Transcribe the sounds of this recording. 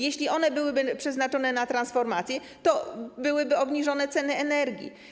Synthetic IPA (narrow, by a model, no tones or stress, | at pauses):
jeɕlʲiʔɔnɛbɘwɘbɘpʂɛznat͡ʂɔnɛnat̪ɾansfɔɾmat̪sʲjɛ | t̪ɔbɘwɘbɘɔbɲiʐɔnɛt̪sɛnɘɛnɛɾɡʲḭ